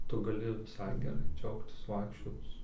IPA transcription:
ˈtʊ ɡɐˈlʲɪ ʋʲɪˈsɐɪ ɡʲɛˈrɐɪ ˈd͡ʒʲɛʊktʲɪs ˈʋɐɪkʃʲt͡ʃʲoːt͡s

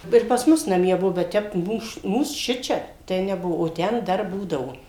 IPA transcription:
ɪr pɐs ˈmʊs nɐˈmʲiɛ ˈbuɔ bʲɛt ˈtʲɛp ˈmuːs ˈmuːs ˈʃʲɪt͡ʃʲɛ ˈtɐɪ nʲɛˈbuɔ oː ˈtʲɛn ˈdɐr ˈbuːdɐʋoː

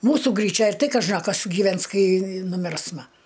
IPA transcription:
ˈmuːsʊ ɡrʲiːˈt͡ʃʲɛ ɪr ˈtɐɪ kɐˈʒɐ ɐ ˈkɐs ɡʲiːˈʋʲɛns ˈkɐɪ nʊˈmʲɪrsmɐ

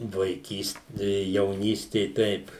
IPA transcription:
ʋɐɪˈkʲiːst jɛʊˈnʲiːsʲtʲeː ˈtʲɛɪp

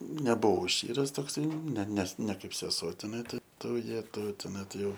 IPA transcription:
nʲɛbʊˈʋɐʊ ˈʃʲt͡ʃʲiːrɐs toːkˈsɐɪ nʲɛ nʲɛs nʲɛ ˈkɐɪp sʲɛˈsuɔ tʲɛˈnɐɪ tɐɪ ˈtuː ˈjæːtɐʊ tʲɛˈnɐɪ tɐɪ ˈjɛʊ

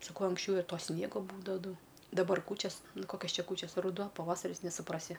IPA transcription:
sɐˈkɐʊ ɐŋksʲˈt͡ʃʲɛʊ ɪr ˈtoː ˈsʲnʲiɛɡoː ˈbuːdɐʋɐ ˈdɐʊ dɐˈbɐr ˈkuːt͡ʃʲɛs ˈnʊ ˈkoːkʲɛs ˈt͡ʃʲɛ ˈkuːt͡ʃʲɛs rʊˈduɔ pɐˈʋɑːsɐrʲɪs nʲɛsʊˈprɑːsʲɪ

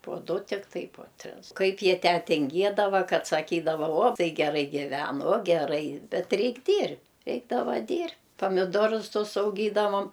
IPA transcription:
puɔ ˈdʊ tʲɪkˈtɐɪ poː ˈtʲrʲɪs ˈkɐɪp ˈjiɛ ˈtʲæː tʲɪŋʲˈɡʲiɛdɐʋɐ ˈkɐt sɐˈkʲiːdɐʋɐ uɔ ˈtɐɪ ɡʲɛˈrɐɪ ɡʲɪˈʋʲɛn oː ɡʲɛˈrɐɪ ˈbʲɛt ˈrʲɛɪkʲ ˈdʲiːrʲ ˈrʲɛɪɡdɐʋɐ ˈdʲiːrʲ pɐmʲɪˈdoːrʊs ˈtʊs ɐʊˈɡʲiːdɐʋoːm

